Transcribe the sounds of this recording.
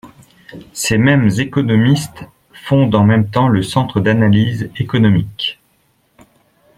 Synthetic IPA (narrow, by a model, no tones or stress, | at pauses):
semɛmzekɔnɔmist̪ | fɔ̃d̪ɑ̃mɛmt̪ɑ̃ləsɑ̃t̪χəd̪analizekɔnɔmik